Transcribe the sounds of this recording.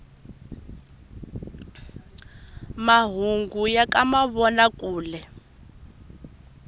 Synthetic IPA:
maɦuŋɡujakʼamaβɔnakʼuːlɛ

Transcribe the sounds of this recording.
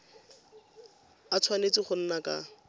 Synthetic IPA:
at͡sʰwanet͡sɪχʊn̩naka̰

